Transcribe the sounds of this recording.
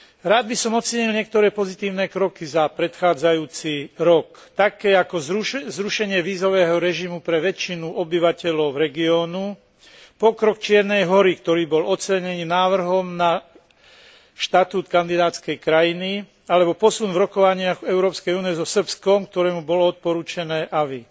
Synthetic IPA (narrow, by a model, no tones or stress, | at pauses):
ɾaːd̪̚bisɔmɔt͡sɛɲilɲɪɛkt̪ɔɾɛːpɔzit̪iːʊnɛːkɾɔkizapɾɛt̪xaːd͡zajuːt͡siɾɔk | t̪akɛːakɔzɾuʃɛɲɪɛʋiːzɔʋɛːɦɔɾɛʒimupɾɛʋɛt͡ʃːinuʔɔbiʋacɛlɔʊvɾɛɡiɔːnu | pɔkɾɔkt͡ʃɪɛɾnɛjɦɔɾikt̪ɔɾiːbɔlɔt͡sɛɲɛniːnaːʋr̩ɦɔmna | ʃt̪at̪uːt̪kand̪id̪aːt̪skɛjkɾajini | alɛbɔpɔsunvɾɔkɔʋaɲɪaɣɛʊɾɔːpskɛjuːniɛzɔsr̩pskɔmkt̪ɔɾɛːmubɔlɔɔt̪̚pɔɾuːt͡ʃɛnɛːʔaʋi